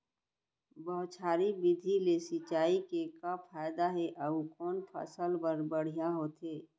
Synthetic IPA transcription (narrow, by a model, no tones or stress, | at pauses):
bəɦʊt͡ʃʰaːɾibɪd̪ʱilesɪt͡ʃaːikekafʰaːjd̪aɦɛʔəukɔːnpʰə̰səlbəɾbəɽ̤ijaɦoːt̪eː